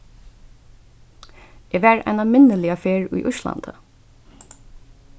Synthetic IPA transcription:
ɛːʋæːɹa̰ɪnamɪnəlɪafeːɹṵjʔʊʃla̰nt̪ə

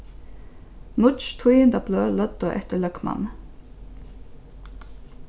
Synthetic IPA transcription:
nʊt͡ʃt̪ʰujənd̪ɑbløːlœd̪oːʔɛt̪əɭœkmɑ̰n

